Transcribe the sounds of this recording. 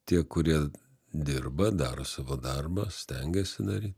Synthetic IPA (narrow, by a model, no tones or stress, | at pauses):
t̪ʲiɛkʊɾʲiɛ | d̪ʲɪrbɐd̪ɑːɾosɑːʋoːd̪ɐrbɐsʲt̪ʲɛŋʲɡʲɛsʲɪnɐɾʲiːt̪